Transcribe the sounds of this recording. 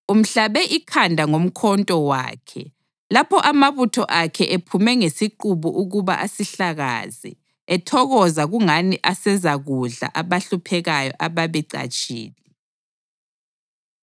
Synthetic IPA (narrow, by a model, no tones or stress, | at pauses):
um̩ɬaβɛʔikʰandʱaŋom̩kʰɔntʼɔwa̰ːkʰɛ̰ | lapʰɔʔamaβutʰɔʔakʰɛʔepʰumɛŋesiǃuβuʔuɣuβa̰ʔasiɬaɣa̰zḭ | ɛtʰɔɣɔzaɣuŋaniʔasɛzaɣuɮa̰ʔaβaɬupʰɛɣajɔ̰ʔaβaβɛǀa̰t͡ʃʼḭːli